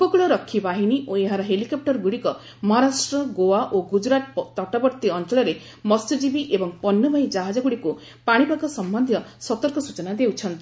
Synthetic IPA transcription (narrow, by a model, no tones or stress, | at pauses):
kokuɭɔɾɔkʰːibaɦiniʔoeɦaɾɔɦelikɔp̚ʈɔɾɡuɽikɔ | mɔɦɔɾasʈɾɔɡowaʔoɡud͡ʒɾat̪t̪ɔʈɔbɔɾt̪iɔnt͡ʃɔɭɔɾe | mɔst̪id͡ʒibiʔebɔŋpɔnːɔbajd͡ʒaɦad͡ʒɔɡuɽiku | paɽ̃ipakɔsɔmbɔnd̪ʱjɔsɔt̪ɔɾkɔsut͡ʃɔnad̪ewt͡ʃʰɔnt̪i̥